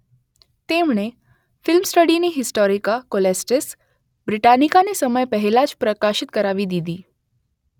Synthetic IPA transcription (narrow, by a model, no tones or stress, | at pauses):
t̪eːmɳe | fɪlmsʈəɽineɦɪsʈɔːɾikakolesʈes | bɾɪʈaːnikanesəməjpɛɦɛlat͡ʃpɾəkaːʃɪt̪kəɾaːʋid̪iːd̪iː